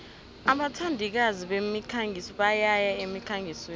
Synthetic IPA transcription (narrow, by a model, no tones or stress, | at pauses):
aɓatʰandʱik̬aziɓemikʰaŋɡʱisɔɓajajaemikʰaŋɡʱise